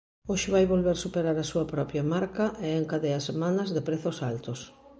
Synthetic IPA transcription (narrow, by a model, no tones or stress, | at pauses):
oʃɪβ̞ajβolβeɾsupeɾaɾɐsuɐpɾɔpjɐmaɾkɐʔeeŋkaðeasemãnɐzðɪpɾeθʊsalt̪ʊs